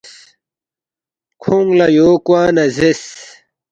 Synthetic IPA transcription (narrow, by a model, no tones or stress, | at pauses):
kʰuŋɡlɐjoːkwaːnɐzes